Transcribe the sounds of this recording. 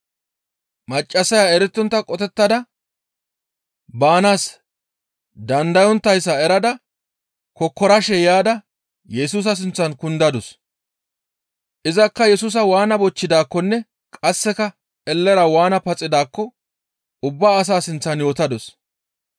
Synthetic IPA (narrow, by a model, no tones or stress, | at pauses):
mɐt͡ʃʼːɐsɐjaɛɾɛt̪ːɔnt̪ːɐkʼɔt̪ɛt̪ːɐd̪ɐ | baːnaːs | d̪ɐnd̪ɐjɔnt̪ːɐjsːɐɛɾɐd̪ɐ | kɔkːɔɾɐʃɛjaːd̪ɐ | jɛsuːs̬ɐs̬ɪnt͡sːɐnkʊnd̪ɐd̪ɔs | ʔɪzɐkːɐjɛsuːs̬ɐwaːnɐbɔt͡ʃːɪd̪aːkːɔnːɛ | kʼɐsːɛkɐ | ɛlːɛɾɐwaːnɐpɐt͡sʼːɪd̪aːkːɔ | ʊbːaːs̬aːsɪnt͡sːɐnjoːt̪ɐd̪ɔs